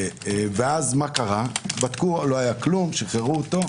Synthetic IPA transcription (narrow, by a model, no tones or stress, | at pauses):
veazmakaʁabat̪kulo̞ajaklumʃeχeʁuot̪o̞